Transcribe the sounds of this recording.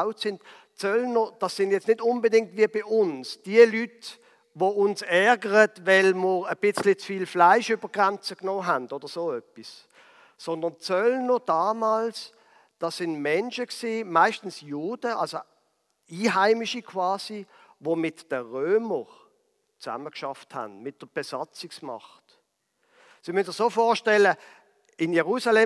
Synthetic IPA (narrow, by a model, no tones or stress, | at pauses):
ʊtsɪnt | t͡sœlnod̥ɑsɪnjɛt͡snɪtʊnbədɪŋ̚tviəbɪʔʊnsd̥iəlyt | voʊnsɛʁɡəʁətvɛlməʁəb̥ɪt͡slɪt͡sfiːlflaɪʃyb̥əɡ̥ʁant͡səknoːɦændɔd̥əʁsoːœpis | sɔndənt͡sœlod̥ɑːmɑːls | d̥ɑːsɪnmɛnʃəksiːmaɪʃtn̩sjoːd̥əʔɑ̰lso | iːɦaɪmiʃikʰʋɑːsi | ʋomɪtd̥əʁøːməʁ | t͡sa̰məkʃɑfthæ̰nmɪt̚d̥əb̥ɛsɑt͡sɪksmɑ̰χt | simyndəsofɔːʃtɛlə | ɪnjɛʁusɑlɛ